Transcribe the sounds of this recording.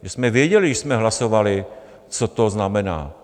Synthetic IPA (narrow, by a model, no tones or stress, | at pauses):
ʒɛsmɛvjɛɟɛlɪʃsmɛɦlasovalɪ | t͡so̞t̪o̞znamɛna̰ː